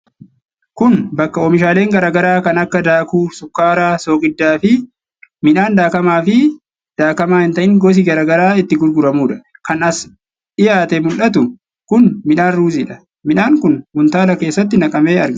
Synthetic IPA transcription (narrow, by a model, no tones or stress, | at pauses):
kʊnbɐkːɐoːmɪʃaːle̞ːŋɡɐɾaːɡɐɾaːkɐnɐkːɐd̪aːkuːsʊkːaːɾaːsoːkʼɪd̪ːaːfɪ | mɪnaːnd̪aːkɐmaːfɪ | d̪̥aːkɐmaːhɪnt̪ɐʔɪŋɡɔs̬iɡɐɾaːɡɐɾaːɪt̪ːɪɡʊɾɡʊɾɐmuːᶑɐ̥kɐnɐs | ᶑɪjaːt̪ɛmʊlʔɐt̪ʊ | kʊnmɪnaːnɾuːziᶑɐ | mɪnaːŋkʊnmʊnt̪aːlɐke̞ːsːɐt̪ːɪnɐkʼɐme̞ːɐɾɡɐ